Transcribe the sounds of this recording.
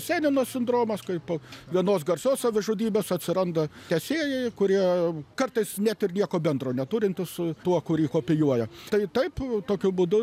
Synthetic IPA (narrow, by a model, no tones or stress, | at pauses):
sʲæːnʲɪnoːsʲɪnd̪ɾoːmɐskɐɪpoːʋʲiɛnoːsɡɐrʲsʲoːssɐʋʲɪʒʊdʲiːbʲeːsɐt̪ʲsʲɪɾɐnd̪ɐtʲɛsʲeːjɛɪkʊɾʲiɛkɐrt̪ɐɪsnʲæt̪ɪrnʲiɛkoːbʲɛnd̪ɾoːnʲɛt̪uːɾʲɪnʲt̪ʲɪsʊt̪uɔkʊɾʲiːkoːpʲɪjuɔjɛt̪ɐɪt̪ɐɪpt̪oːkʲʊbʊd̪ʊ